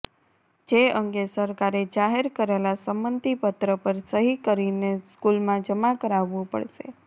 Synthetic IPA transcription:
d͡ʒeəŋɡesəɾkaɾed͡ʒaɦeɾkəɾelasəmbənt̪ipət̪ɾəpəɾsəɦikəɾineskulmãd͡ʒəmakəɾaʋːũpə̰ɭʃḛ

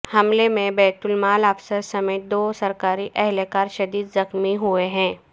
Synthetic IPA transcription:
hɐmlemẽbɛːt̪ʊlmaːlafsəɾsɐmeːt̪̚d̪oːsɐɾkaːɾiʔɛɦlekaːɾʃɐd̪iːd̪zɐxmiɦueɦɛ̃ː

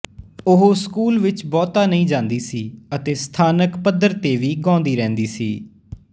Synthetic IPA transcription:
ʊɦoːskuːlʋɪt͡ʃbɔːt̪aːnəĩːd͡ʒãːnd̪iːsiːət̪eːst̪ʰaːnəkpəd̪əɾt̪eːʋiːɡɔ̃ːnd̪iːɾɛ̃ːnd̪iːsḭː

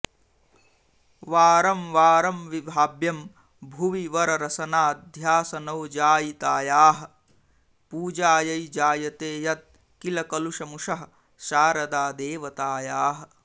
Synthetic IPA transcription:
ʋaːɾɐmʋaːɾɐmʋibʱaːbjɐm | bʱuʋiʋɐɾɐɾɐsɐnaːd̪ʱjaːsɐnɐwd͡ʒaːjit̪aːjaːɦɐ̆ | puːd͡ʒaːjɐjd͡ʒaːjɐt̪eːjɐt̪̚ | kilɐkɐluʂɐmuʂɐɦɐ | ʃaːɾɐd̪aːd̪eːʋɐt̪aːjaːɦɐ

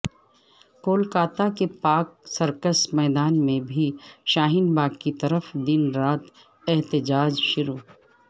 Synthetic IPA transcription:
koːlkaːt̪akepaːk̚sɐɾkəsmɛːd̪aːnmẽbʱiʃaːɦɪnbaːɡkit̪ɐɾəfd̪ɪnɾaːt̪ | ɛɦt̪ɪd͡ʒaːd͡ʒʃʊɾuː

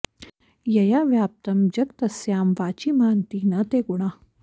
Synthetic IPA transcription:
jɐjaʋjaːp̚t̪ɐmd͡ʑɐk̚t̪ɐsjaːmʋaːt͡ʃimaːnt̪iːnɐt̪eːɡuɽaː

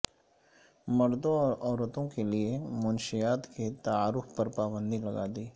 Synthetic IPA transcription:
mɐɾd̪õɔːɾɔːɾət̪õkeliemʊnʃɪjaːt̪ket̪aaːɾʊfpɐɾpaːbə̃nd̪ʱilɐɡa̰ːd̪iː

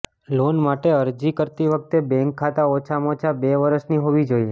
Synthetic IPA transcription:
lonmaʈeəɾd͡ʒikəɾt̪iʋək̚t̪ebɛ̃ŋkʰːat̪aot͡ʃʰamot͡ʃʰabeʋəɾəʃniɦoʋid͡ʒoie

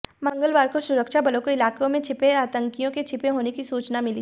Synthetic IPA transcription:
mɐ̃ŋɡəlʋaːɾkosʊɾəkʃabɐlõkoɪlaːkõmẽt͡ʃʰɪpeaːt̪ə̃ŋkijõket͡ʃʰɪpẽɦoːnekisuːt͡ʃnamɪli

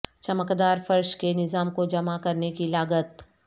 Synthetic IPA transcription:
t͡ʃɐməkd̪aːɾfɐɾʃkenɪzaːmkod͡ʒɐmakɐɾnekilaːɡət̪̚

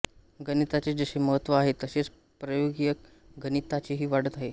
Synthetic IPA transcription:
ɡənit̪at͡ɕed͡zəɕeməɦət̪ʋəaɦet̪əɕet͡s | pɾəjoɡjək | ɡənit̪at͡ɕiɦiːʋaɽ̤ət̪aɦe

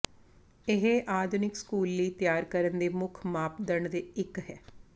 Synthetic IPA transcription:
ɪɦeʔaːd̪ʱʊnɪkskuːlːiːt̪jaːɾkəɾənd̪eːmʊkʰmaːp̚d̪əɳd̪eːɪkɦɛː

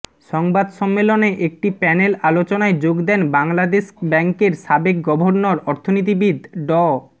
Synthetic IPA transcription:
ʃɔŋbad̪ʃɔmːeloneʔek̚ʈipɛnelalot͡ɕonaed͡ʑoɡd̪ɛnbaŋlad̪eʃbɛŋkeɾʃabek̚ɡɔbʱoɾnoɾɔɾt̪ʰonit̪̬ibid̪ɖɔ

